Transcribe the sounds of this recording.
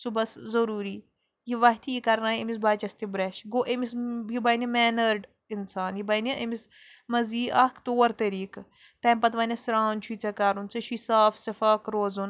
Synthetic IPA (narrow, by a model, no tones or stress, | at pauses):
subɐszɐɾuːɾiː | jiʋɐɦt̪ʰijikɐɾnaːjɐmis̬baːt͡ʃɐst̪ibɾɐʃɡoːʔemisjibɐnimɛːnəɾɖ | insaːnjibɐniʔɐmis | mɐziːɐkʰt̪oːɾt̪ɐɾiːk | t̪ɐːmpɐt̪ʋɐnʲɐsɾaːnt͡ʃʰuit͡sɐkaɾunt͡sɐʃʰisaːfsɐfaːkɾoːzun